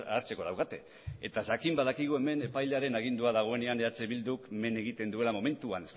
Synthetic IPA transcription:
aɾt͡se̞ko̞ð̞awkat̪e̞̰ | et̪aʝakimbaðakiɣ̞ue̞me̞ne̞pajleaɾe̞naɣ̞ind̪uaðaɣ̞o̞e̞ne̞aneat͡seβild̪ukme̞ne̞ɣit̪e̞nd̪ue̞lamo̞me̞nt̪uane̞st̪

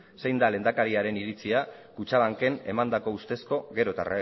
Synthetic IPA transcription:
se̞jnd̪ale̞nd̪akaɾiaɾe̞niɾit͡siakut͡ʃaβaŋke̞ne̞mand̪ako̞ust̪e̞sko̞ɣe̞ɾot̪a̰ra

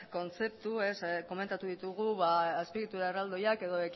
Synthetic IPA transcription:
ko̞nt͡se̞p̚t̪ue̞sko̞me̞nt̪at̪uðit̪uɣ̞uβaːspiɣit̪uɾaerald̪o̞jake̞ðo̞ek

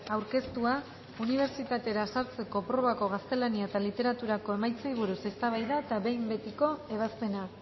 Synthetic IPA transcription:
awɾke̞st̪ua | uniβ̞e̞ɾt͡ʃit̪at̪e̞ɾasaɾt͡se̞ko̞pɾo̞βako̞ɣast̪e̞laniaet̪alit̪e̞ɾat̪uɾako̞e̞majt͡sajβ̞uɾuse̞st̪aβ̞ajðaet̪aβe̞jmbe̞t̪iko̞e̞β̞aspe̞na

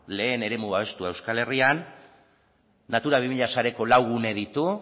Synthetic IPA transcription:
le̞ːne̞ɾe̞muβaβ̞e̞st̪uae̞wskale̞rian | at̪uɾaβimiʎasaɾe̞ko̞lawɣune̞ð̞it̪u

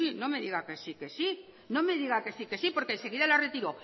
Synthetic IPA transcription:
ino̞me̞ðiɣake̞sike̞si | no̞me̞ðiɣake̞sike̞sipoɾkense̞ɣiðalaret̪iɾo̞

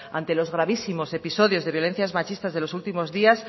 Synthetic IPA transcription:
a̰nt̪e̞lo̞zɣɾaβ̞isimo̞se̞piso̞ðjo̞zðe̞βjo̞le̞n̟θjazmat͡ʃist̪azðelo̞sult̪imo̞zðias

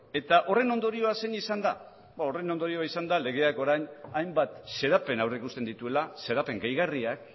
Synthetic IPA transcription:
e̞t̪aʔo̞re̞no̞nd̪o̞ɾio̞ase̞nisand̪a | bao̞re̞no̞nd̪o̞ɾio̞aisand̪ale̞ɣ̞e̞ako̞ɾajɲajmbat̪se̞ɾape̞nawreikust̪e̞nd̪it̪ue̞lase̞ɾape̞ŋɡejɣariak

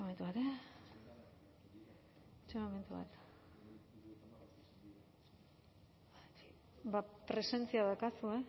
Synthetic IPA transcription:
ome̞nt̪uβat̪e | et͡ʃemome̞nt̪uβa̰t̪ | bapɾe̞se̞nt͡siaðakasue̞

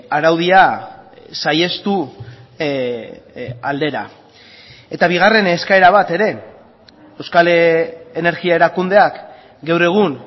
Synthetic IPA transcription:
aɾawðia | saje̞st̪u | ald̪e̞ɾa̰ | e̞t̪aβ̞iɣ̞are̞neskae̞ɾaβat̪e̞ɾe̞ | ewskaleene̞ɾɣiae̞ɾakund̪e̞ak | ɡawre̞ɣ̞un

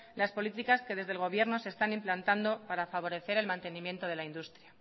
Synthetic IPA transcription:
laspo̞lit̪̬ikaske̞ð̞e̞zðe̞lɣ̞o̞β̞je̞ɾno̞seːst̪animplant̪and̪o̞paɾafaβ̞o̞ɾe̞θe̞ɾe̞lmãnt̪e̞nĩmjẽ̞nt̪o̞ð̞e̞laind̪ust̪ɾja

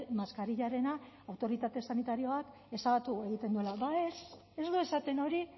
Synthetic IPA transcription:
maskaɾiʎaɾe̞na | awt̪o̞ɾit̪at̪e̞sanit̪aɾio̞ak | e̞saɣat̪ue̞ɣit̪e̞nd̪ue̞laβae̞s | e̞zd̪ue̞sat̪e̞no̞ɾi

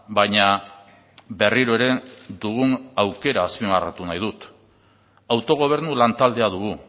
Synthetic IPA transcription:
bajɲa | be̞riɾoe̞ɾe̞d̪uɣ̞unawke̞ɾaːspimara̰t̪unajðut̪ | awt̪o̞ɣ̞o̞β̞e̞ɾnulant̪ald̪e̞aðuɣ̞u

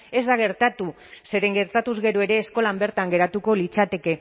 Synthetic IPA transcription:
e̞zd̪aɣ̞e̞ɾt̪at̪u | se̞ɾe̞ŋɡe̞ɾt̪at̪uzɣe̞ɾoe̞ɾe̞ːsko̞lambe̞ɾt̪aŋɡe̞ɾat̪uko̞lit͡sat̪e̞ke̞

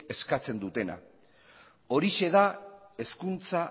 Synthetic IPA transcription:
e̞skat͡se̞nd̪ut̪e̞na̰ | o̞ɾiʃe̞ðae̞skunt͡sa

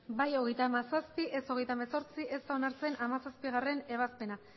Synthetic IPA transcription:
bajo̞ɣ̞e̞jt̪aːmasaspiʔe̞so̞ɣ̞e̞jt̪ameso̞ɾt͡siʔe̞st̪ao̞naɾt͡se̞namasaspiɣ̞are̞ne̞β̞aspe̞na

